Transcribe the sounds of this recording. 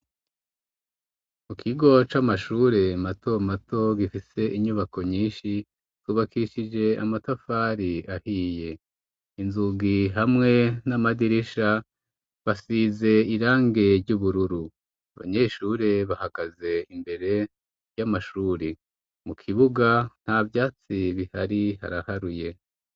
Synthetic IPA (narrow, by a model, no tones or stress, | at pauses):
mukʰiɡo̞t͡ʃamaʃuːɾe̞mato̞matʰo̞ɡifise̞ʔiɲuβako̞ɲiːnʃi | z̥uːβakʰiʃid͡ʒe̞a̰matofaːɾiahiːje̞ | inzuɡiɦamŋe̞namadiɾiʃa | βasiːze̞iɾaːŋɡe̞ɾɟuːβuɾuɾu | aβa̰ɲe̞ʃuːɾe̞βahaɡ̥aze̞imbe̞ɾe̞ | jamaʃuːɾi | mukʰiβuɡan̥havjaːt͡siβihaɾiha̰ɾahaɾuje̞